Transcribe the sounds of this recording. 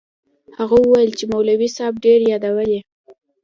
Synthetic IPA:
haɣawəwajəlt͡ʃemawlawisɑb̚ɖeɾjɑd̪awəle

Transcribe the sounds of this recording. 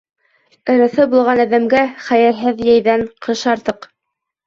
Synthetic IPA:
ɤ̆ɾɤ̆θɤbulˠʁɑnæðæmɡæχæjælɦɘðjæjðæɴqʰɤʃɑɾt̪ɤq

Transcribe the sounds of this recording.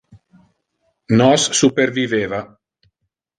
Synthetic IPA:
nɔsːuperviveːva

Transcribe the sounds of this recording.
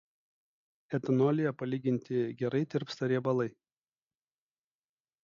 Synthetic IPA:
ɛt̪ɐnɔlʲɪjɛpɐlʲiːɡʲɪnʲt̪ʲɪɡʲɛɾɐɪt̪ʲɪɾpst̪ɐɾʲiɛbɐlˠɐɪ

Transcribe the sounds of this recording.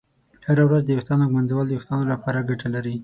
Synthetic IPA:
haɾawɾazd̪əjʊxt̪ɑnoɡmanzawəld̪əjʊxt̪ɑnolapɑɾaɡaʈalaɾi

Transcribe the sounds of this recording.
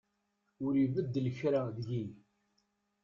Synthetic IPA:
ʊɾivəd̪ːləçɾaðʝi

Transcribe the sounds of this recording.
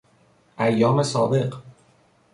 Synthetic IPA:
ʔæjːɒːme̞sɒ̰ːbe̞ɢ

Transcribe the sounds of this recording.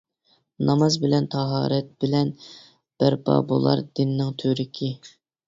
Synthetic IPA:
nɑmɑzbɪlɛnt̪ʰɑɦɑːɾɛt̪̚b̥ɪlɛn | b̥æɾbɑ̰bo̰lˠɑ̰ɾd̪ɪnːɪŋt̪ʰøɾɪkʲʰi

